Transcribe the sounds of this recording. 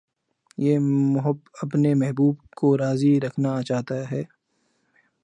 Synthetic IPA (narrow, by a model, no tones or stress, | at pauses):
jeːmʊɦəbɐpnemɛɦbuːb̚koɾaːziɾɐkʰnat͡ʃaːt̪aɦɛː